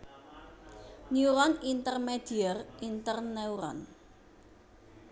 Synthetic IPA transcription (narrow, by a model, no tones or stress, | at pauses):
niuɾɔnint̪ərmed̥iərʔint̪ərnɛuɾɔ̰n